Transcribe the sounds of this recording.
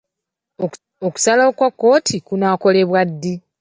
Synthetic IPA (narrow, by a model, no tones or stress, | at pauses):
oku̥salaokwakːo̞ːtʰikunaːko̞le̞βwadːi